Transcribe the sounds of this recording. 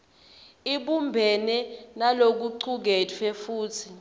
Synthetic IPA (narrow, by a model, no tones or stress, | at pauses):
iɓumbʱɛnɛnalok̬uǀʰuk̬ɛtʰɛfuːtʰi